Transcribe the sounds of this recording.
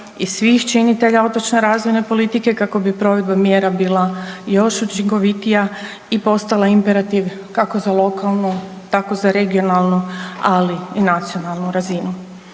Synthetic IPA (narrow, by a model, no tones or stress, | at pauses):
isʋixt͡ʃinit̪e̞ʎao̞t̪ot͡ʃne̞ɾaːzʋo̞jne̞po̞lit̪ike̞kako̞bipɾo̞ʋe̞d̪̚bamje̞ːɾabiːlˠajo̞ʃut͡ʃiŋko̞ʋit̪ija | ipo̞st̪alˠaimpeɾat̪iʋ | kako̞zalˠo̞kʰalˠnu | t̪ako̞zaɾe̞ɡio̞nalˠnualiːnat̪sio̞nalˠnuɾazinu